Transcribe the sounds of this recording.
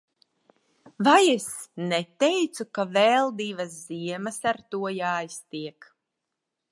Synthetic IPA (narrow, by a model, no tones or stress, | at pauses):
vajesnɛt̪ɛjt̪sukavɛlˠd̪iːvas̬ziɛmasaɾt̪uɔjaːjst̪iɛk